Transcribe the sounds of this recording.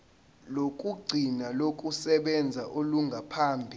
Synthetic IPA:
lokʼuɡ͡ǀʱinalokʼusɛɓɛnd͡zʱaʔoluŋɡʱapʰaːmbʱi

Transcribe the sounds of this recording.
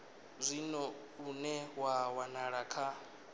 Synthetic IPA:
zʷinɔ | unɛwawanaɺakʰa

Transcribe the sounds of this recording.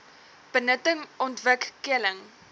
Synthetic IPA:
b̥ənətəŋɔntvəkːəələŋ

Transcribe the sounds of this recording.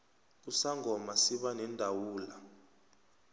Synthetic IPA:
usaŋɔmasiɓanɛndʱawuːla

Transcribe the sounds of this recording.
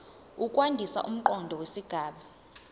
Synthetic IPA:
ukʼwandʱisa̰ʔum̩ǃɔndʱɔwesiɡ̥ʱaːɓa

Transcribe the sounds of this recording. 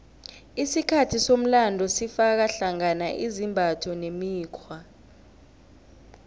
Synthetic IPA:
isikʰatʰisom̩landʱɔsifak̬aɬaŋanaʔizimbʱatʰɔnemiːkʰwa

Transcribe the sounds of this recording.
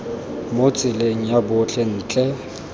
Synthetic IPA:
mot͡sʼɪleŋ̩jabʊt͡ɬʰʼɛn̩ːt͡ɬʼɛ

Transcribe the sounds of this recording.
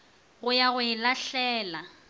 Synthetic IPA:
ɣʊjaɣʊɪlaɬɛːla

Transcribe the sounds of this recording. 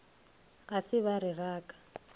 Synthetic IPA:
ɣasɪβaɾɪraːkʼḁ

